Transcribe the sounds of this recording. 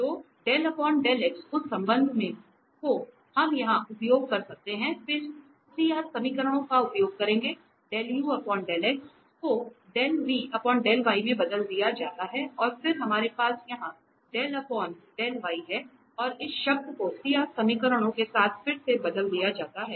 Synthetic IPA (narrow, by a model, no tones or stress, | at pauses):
t̪oː | ɖɛːlɐpɔːɳɖɛːlɛːksʊsːɐ̃mbə̃nd̪ʱmẽ | ko | hɐmjɐɦãʔʊpjoːɡ̚kɐɾsɐk̚t̪eɦɛ̃fɪɾ | sijaːsɐmikəɾəɽ̃õkaʊpjoːɡ̚kɐɾẽːŋɡe | ɖɛːljuːɐpɔːɳɖɛːlɛːks | koɖɛːlʋiʔɐpɔːnɖɛːlʋaːimẽbɐd̪əld̪ijad͡ʒaːt̪aɦɛɔːɾfɪɾɦɐmaːɾepaːsjɐɦã | ɖɛːlɐpɔːɳɖɛːlʋaːiɦɛ | ɔːɾɪsʃɐb̚d̪kosijaːsɐmikəɾəɽ̃õkesaːt̪ʰfɪɾsebɐd̪əld̪ijad͡ʒaːt̪aɦɛː